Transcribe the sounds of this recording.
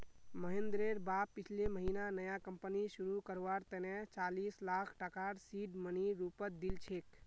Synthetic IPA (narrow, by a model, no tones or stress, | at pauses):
məɦẽnd̪ɾeɾbabpːit͡ʃʰleməɦinanəjakəmpənisuɾukəɾʋaɾt̪ənet͡ʃalislakʰʈəkaɾsiɖməniɾupət̪̚d̪ilt͡ʃʰek